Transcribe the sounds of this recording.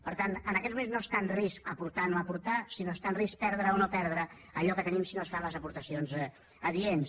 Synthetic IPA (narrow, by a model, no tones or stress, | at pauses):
pəɾt̪anənəkɛt̪zmumenznost̪anriskəpuɾt̪anoəpuɾt̪asinost̪anris̚pɛɾð̞ɾəonopɛɾð̞ɾə | əʎɔkət̪ənimsinost̪anləzəpuɾt̪əsionz | əðiens